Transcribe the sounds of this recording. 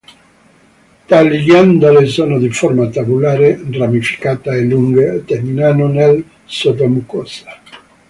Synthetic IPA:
t̪aliɡjand̪alesoːnod̪ifɔrmat̪abulaːɾeramifi̥kaːt̪aeluŋɡet̪ːerminanonel | sod̪omukɔsḁ

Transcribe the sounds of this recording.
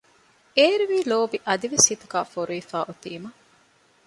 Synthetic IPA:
eːɾuʋiːloːbiʔɐd̪iʋesːit̪uɡaːfoɾuifaːʔut̪iːmɐ

